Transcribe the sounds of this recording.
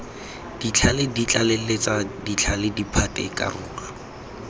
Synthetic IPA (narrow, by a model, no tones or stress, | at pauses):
d̥it͡ɬʰalɪdit͡ɬʼalɪlet͡sʼadit͡ɬʰalɪdipʰatʼɪ̰ɪkʼa̰rʊ̰ːka